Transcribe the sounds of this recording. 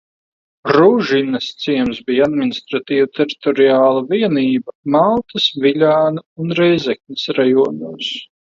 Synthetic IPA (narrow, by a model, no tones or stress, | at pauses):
ɾuʒinɐst̪siɛmsbijad̪minist̪ɾat̪iːvut̪ɛɾit̪ɔɾiaːlˠaviɛniːbɐmalˠt̪ɐsvilʲaːnuunɾɛjzɛkʲnʲisɾajɔɔnuːs